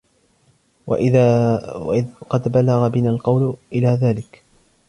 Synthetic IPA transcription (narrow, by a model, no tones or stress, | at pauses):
ɪqɑd̪balɑɣabɪnaːlqɑwlʔɪlaːðaːlɪk